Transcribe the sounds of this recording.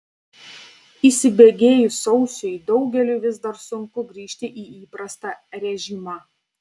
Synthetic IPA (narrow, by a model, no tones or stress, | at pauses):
iːˑsʲɪbʲeːɡʲeːjʊsɒʊsʲʊjd̪ɒʊɡʲɛlʲuʋʲɪzd̪ɐɾsʊŋkʊɡɾʲiːʃʲt̪ʲɪʔiːiːpɾɐst̪ɑɾʲɛʒʲimɐˑ